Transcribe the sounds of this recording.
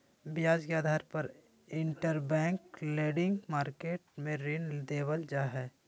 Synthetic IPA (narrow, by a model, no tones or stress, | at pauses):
bjaːd͡ʒkeaːd̪ʱaːɾpəɾ | ɪ̃ɳʈəɾbɛ̃ːŋkleːɖɪ̃ŋɡmaːɾkeːʈ̚mẽɾind̪eːwəld͡ʒaːɦɛː